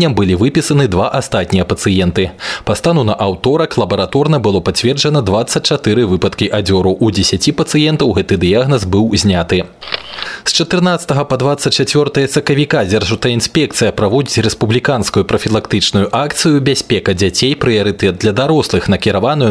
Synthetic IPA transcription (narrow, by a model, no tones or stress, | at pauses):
ɐmbɨlʲivɨpʲisɐnɨd̪vaʔast̪at̪ʲnʲijɐpɐt̪sɨjɛnt̪ɨpast̪anunɐʔawt̪ɔɾɐklˠɐbɐɾat̪ɔrnɐbɨlˠɔpat͡sʲvʲɛrd͡ʐɐnɐd̪vat̪sːɐt͡sʲt͡ʂat̪ɨɾɨvɨpɐt̪kʲiʔad͡zʲɔɾuʔud͡zʲesʲat͡sʲipɐt̪sɨjɛnt̪ɐwɣɛt̪ɨd̪ɨjaɣnɐzbɨwzʲnʲat̪ɨ | st͡ʂɐt̪ɨrnat̪sɐ̥t̪ɐɣɐpɐd̪vat̪sːɐt̚ʲt͡ʂat͡sʲvʲɔrt̪ɐjɐsɐkɐvʲikad͡zʲɛrʐut̪ɐinsʲpʲɛkt̪sɨjɐpɾavɔd͡zʲit͡sʲrɛspublʲikanskujupɾɐfʲilˠakt̪ɨt͡ʂnujuʔakt̪sɨjubʲasʲpʲɛkɐd͡zʲat͡sʲejpɾɨjɐɾɨt̪ɛt̪̚d̪lʲɐd̪aɾɔslˠɨxnɐkʲiɾavanuj